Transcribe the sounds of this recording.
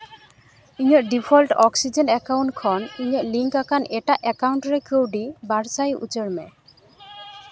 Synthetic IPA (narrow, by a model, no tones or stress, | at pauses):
iɲəʔɖipʰɔlʈɔksid͡ʒenɛkawɳʈ̚kʰɔniɲəʔliŋkakaneʈaʔɛkawuɳʈɾekʰewɖibaɾsajṵt͡ʃəɽmɛ